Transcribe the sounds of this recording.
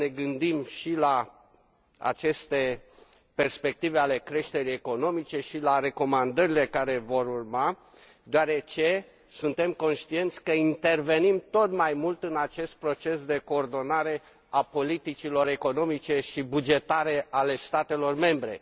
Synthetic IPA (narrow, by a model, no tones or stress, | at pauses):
ne̞ɡɨnd̪imʃila | a̰t͡ʃe̞st̪e̞ | pe̞rspe̞k̚t̪ive̞ale̞kɾe̞ʃt̪e̞ɾijeko̞no̞mit͡ʃe̞ʃilare̞ko̞mand̪əɾile̞kaɾe̞vo̞ɾurma | d̪eoaɾe̞t͡ʃe̞ | sunt̪e̞mko̞nʃt̪ie̞nt̪sʲkəint̪e̞rve̞nimt̪o̞t̪majmult̪ɨnat͡ʃe̞st̪̚pɾo̞t͡ʃe̞sd̪e̞ko̞ːrd̪o̞naɾe̞ | apo̞lit̪it͡ʃilo̞ɾe̞ko̞no̞mit͡ʃe̞ʃibud͡ʒe̞t̪aɾe̞ʔale̞st̪at̪e̞lo̞rme̞mbɾe̞̰